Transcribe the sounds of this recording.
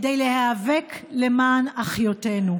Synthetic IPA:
dejlehaːveklemaːnaχjotenu

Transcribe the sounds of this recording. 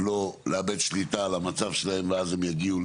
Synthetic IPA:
loleabed̪ʃlit̪alamat͡savʃelahemveazemjaɡiu

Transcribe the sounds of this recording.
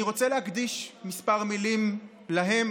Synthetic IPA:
iʁo̞t͡selehakd̪iʃmispaʁmilim | laɦe̞m

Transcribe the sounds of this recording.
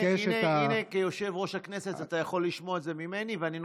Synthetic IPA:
ineinekejo̞ʃe̞vʁo̞ʃhaknese̞tat̪ajaχo̞lːiʃmoeze̞mime̞niveanin

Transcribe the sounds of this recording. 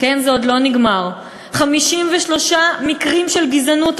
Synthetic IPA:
kenzeod̪lo̞niɡmaʁ | χamiʃimveʃlo̞ʃamikʁimʃelɡizanut

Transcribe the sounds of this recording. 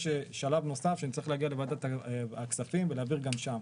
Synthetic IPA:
ʃeʃalavno̞safʃeanitt͡saʁiχleaɡialevad̪t̪at̪aaksafimveleːviʁɡamʃam

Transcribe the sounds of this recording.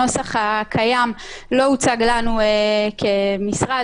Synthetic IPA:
o̞saχhakʰajamlo̞ut͡saɡlanuekʰemisʁa

